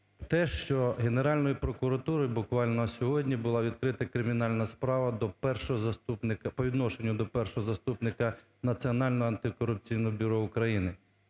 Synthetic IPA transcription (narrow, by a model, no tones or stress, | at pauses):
t̪ɛʃt͡ʃɔɦe̞ne̞ɾɑlʲnɔjipɾɔkʊɾɐt̪uɾɔjbʊkʋɑlʲnɔsʲɔɦɔdʲnʲibʊlˠɑʋʲid̪̚kɾɪt̪ɐkɾɪmʲinɑlʲnɐspɾɑʋɐd̪ɔpɛrʃɔɦɔzɐst̪upnɪkɐpɔʋʲid̪nɔʃenʲːʊd̪ɔpɛrʃɔɦɔzɐst̪upnɪkɐ | nɐt͡sʲiɔnɑlʲnɔɦɔɐnt̪ɪkɔɾʊp̚t͡sʲijnɔɦɔbʲʊɾɔʊkɾɐjinɪ